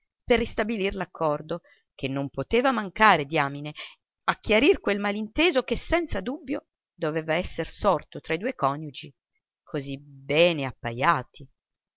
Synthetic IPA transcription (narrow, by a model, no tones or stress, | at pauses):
perːist̪abilirlakʰːɔrd̪o | kʰenːompot̪eːvamaŋkaːɾed̪iaːmine | ak̟ːjaɾirkwelmalint̪eːzokesːɛnt̪sad̪ubːjo | d̪oveːvaɛsːersɔrt̪ot̪ɾaid̪uːekɔnjud͡ʒi | kʰozibɛːneapːajaːt̪ʰi